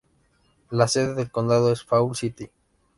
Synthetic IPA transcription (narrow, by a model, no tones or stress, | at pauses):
lase̞ðeðelkond̪að̞oesfaulsit̪i